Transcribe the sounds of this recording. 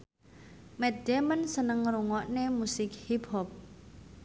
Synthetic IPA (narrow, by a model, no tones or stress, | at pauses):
mɛt̪̚d̪ɛmənsənəŋɾuŋɔʔnemusɪk̚hiphɔp̚